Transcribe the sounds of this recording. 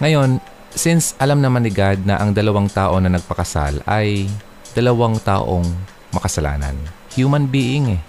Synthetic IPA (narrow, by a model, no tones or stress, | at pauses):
ŋɐjo̞n | sɪnsʔɐlamnɐmanɪɡad̪̚nɐʔɐŋd̪ɐlɐwaŋt̪aːʔo̞nɐnɐɡ̚pɐkɐsa̰lɐj | d̪̥ɐlɐwaŋt̪a̰ːʔoŋ | mɐkɐsɐla̰ːnɐ̰nhjuːmɐnbiːʔɪŋɛ